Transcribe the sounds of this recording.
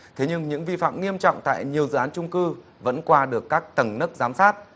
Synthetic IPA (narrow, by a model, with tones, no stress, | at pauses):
t̪ʰe˨˦ɲɨ˧ŋɲɨ̰˧˥ŋvi˧fa̰ː˧˨mŋi˧əmt͡ɕɔ̰˧˨wŋ͡mt̪a̰ː˧˨jɲi˨˩əwzɨ̰˧˨aː˨˦nt͡ɕʊ˧ŋ͡mkɨ˧ | və̰˧˥nkwaː˧ɗɨ˨˩əkːaː˦˥k̚t̪ə˨˩mnə˦˥k̚zaː˨˦msaː˦˥t̚